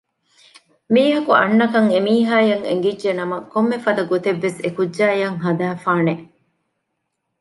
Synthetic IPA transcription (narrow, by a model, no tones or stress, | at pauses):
miːɦɐkuʔɐ̰nːɐkɐŋemiːɦaːjɐŋḛŋɡidːʒenɐmɐkomːefɐd̪ɐɡot̪eʋːesekudʒaːjɐŋɦɐd̪æːfaːne